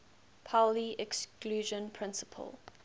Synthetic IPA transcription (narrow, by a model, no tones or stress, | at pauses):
pʰaʊliɛkskluːʒə̃npʰɹ̥ɪ̃nsə̥pʰə̰lˠ